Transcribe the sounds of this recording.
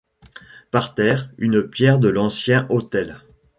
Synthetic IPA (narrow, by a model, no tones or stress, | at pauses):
paʁt̪ɛːʁynpjɛʁd̪əlɑ̃sjɛ̃ʔot̪ɛl